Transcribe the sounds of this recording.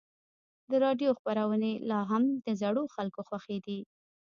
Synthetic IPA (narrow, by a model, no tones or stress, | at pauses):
d̪əɾɑɖjoxpaɾawənelɑɦamd̪əzaɽoxalkoxwaxed̪i